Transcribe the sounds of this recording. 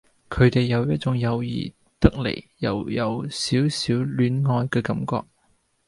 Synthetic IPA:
kʰɵ˨˧ɥt̪e˨jːɐ˨˧wjɐ˥t̚t͡ʃʊ˨˧˥ŋjɐ˨˧wjḭː˨˩ | t̪ɐ˥k̚lḛ˨˩jjɐ̰˨wjɐ˨˧wsiː˨˥wsiː˨˥wlyː˨˥nŋɔː˧jkɛː˧kɐ˨˧˥mkɔ̰ː˧k̚

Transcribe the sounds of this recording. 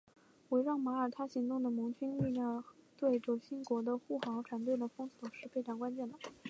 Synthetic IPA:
we˧˥ɪɻɑ˥˩ŋma˧˥ə˞˨˩t̪ʰa˥ɕi˧˥ŋt̪ʊ˥˩ŋd̪ə˩mʊ˧˥ŋt͡ɕʰy˥ny˥˧ljɑ˥˩ŋt̪we˥˩ɪʈ͡ʂɤ˧˩ɕi˥nkwɔ˧˥d̪ə˧xu˥˩xɑ˧˥ŋʈ͡ʂʰwa˧˥nt̪we˥˩ɪd̪ə˩fɤ˥ŋswɔ˨˩ʂɻ̩˥˧pʰe˥˩ɪʈ͡ʂɑ˥˨˩ŋkwa˥nt͡ɕjɛ˥˩nd̪ə˩

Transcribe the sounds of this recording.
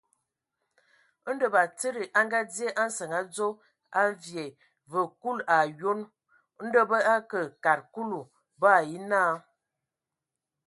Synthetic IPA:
n˦də˨ba˨t͡sə˦ɾi˨ʔa˦ŋɡa˦dje˦ʔa˦n̩˦sə˨ŋa˨˦d͡zo˦ | a˦vje˨ | və˨ku˦la˨jo˦n˦ | n̩˦də˦bə˦a˦kə˨ka˨ɾku˦lu˨ | bə˦a˨ji˦naː˦˨

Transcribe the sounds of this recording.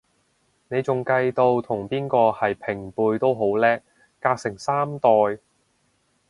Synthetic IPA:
ne˨˧jt͡sʊ˨ŋkɐ˧jt̪o˧wt̪ʰʊ˨˩ŋpiː˥nkɔː˧hɐ˨jpʰɪ˨˩ŋpuː˧jt̪o˥wɦo˨˥wlɛː˥k̚ | kaː˧k̚sɪ˨˩ŋsaː˥mt̪ɔː˨j

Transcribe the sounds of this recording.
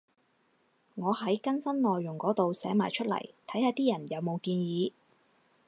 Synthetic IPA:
ŋɔː˨˧hɐ˨˥jkɐ˥nsɐ˥nlɔː˨jːʊ˨˩ŋkɔː˨˥t̪o˨wsɛː˨˥ma̰ː˨˩jt͡ʃʰɵ˥t̚lɐ̰˨˩jt̪ʰɐ˨˥jhaː˨˧t̪iː˥jɐ˨˩njɐ˨˧wmo˨˧wkiː˧njiː˨˧

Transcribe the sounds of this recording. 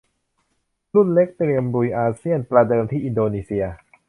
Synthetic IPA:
lu˥˩nle˦˥k̚t̪ɾi˧əmɾu˧jʔaː˧si˥˩ənpɾa˧dɤː˧mt̪ʰiː˥˩ʔi˧ndoː˧niː˧si˧ɐ

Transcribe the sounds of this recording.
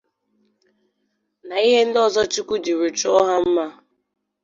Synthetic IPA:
na˨i˦ɦe˦n̩˦dɔ˦˨zɔ˦t͡ʃu˦kʷu˦di˨ɾu˨t͡ʃɔ˦ɦa˦m̩˦ma˦

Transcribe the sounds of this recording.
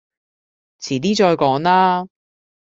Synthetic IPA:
t͡sʰiː˨˩liː˥t͡ʃɔː˧jkɔː˨˥ŋlaː˥

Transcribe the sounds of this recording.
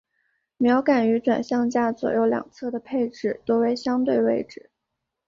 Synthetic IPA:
mjɑ˧˥ʊka˨˩ny˧˥ʈ͡ʂwa̰˨˩nɕjɑ˥˧ŋt͡ɕja˥˩t͡swɔ̰˨˩jo˥˩ʊljɑ̰˨˩ŋt͡sʰɤ˥˩d̪ə˩pʰe˥˧ɪʈ͡ʂɻ̩˥˩t̪wɔ˥we˧˥ɪɕjɑ˥ŋt̪we˥˧ɪwe˥˧ɪʈ͡ʂɻ̩˥˩˦

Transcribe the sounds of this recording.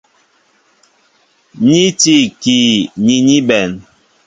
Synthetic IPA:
ɲi˦ti˦˨ki˨ɲi˦ɲi˦bɛ˨n

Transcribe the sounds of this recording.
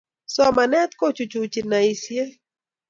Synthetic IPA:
sɔ˦ma˨nɛ˦t̪ko˦t͡ʃu˨t͡ʃu˨t͡ʃi˨na˨i˨sje˦

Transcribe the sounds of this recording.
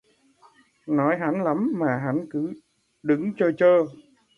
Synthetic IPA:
nɔ˨˦jɦa˧˥nla˨˦mmaː˨˩ɦa˨˦nkɨ˧˦ | ɗɨ˨˦ŋt͡ɕɔ˧t͡ɕəː˧

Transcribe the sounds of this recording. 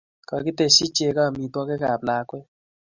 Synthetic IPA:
kɔ˨ki˦te˧˨si˦t͡ʃe˧˦ka˦˨mi˨tɔ˦kɛ˦ka˨bla˨kwe˦

